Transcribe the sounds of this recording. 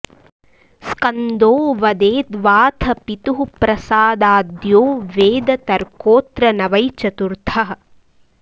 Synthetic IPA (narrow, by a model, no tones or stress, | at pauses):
skɐnd̪oːʋɐd̪eːd̪ʋaːt̪ʰɐpit̪uɦupɾɐsaːd̪aːd̪joːʋeːd̪ɐt̪ɐɾkoːt̪ɾɐnɐʋɐjt͡ʃɐt̪uɾt̪ʰɐɦɐ